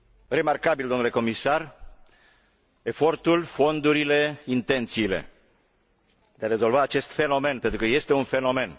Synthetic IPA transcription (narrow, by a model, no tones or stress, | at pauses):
re̞markabild̪o̞mnuleko̞misar | e̞fo̞rt̪ulfo̞nd̪uɾile̞int̪e̞nt̪siːle̞̰ | d̪e̞aɾe̞zo̞lvaːt͡ʃe̞st̪fe̞no̞me̞npe̞nt̪ɾukəje̞st̪eunfe̞no̞me̞n